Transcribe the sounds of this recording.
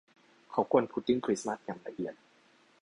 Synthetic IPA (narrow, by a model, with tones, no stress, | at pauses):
kʰa˨˦wkʰu˧ənpʰuː˧˩t̪ːi˦˥˩ŋkʰɾi˦˥sma˦˥˩ja˧˩mla˧ʔi˨˩ət̪̚